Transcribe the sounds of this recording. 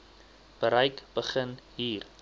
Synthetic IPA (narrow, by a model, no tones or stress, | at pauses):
b̥əɾəjkb̥əχənɦiːr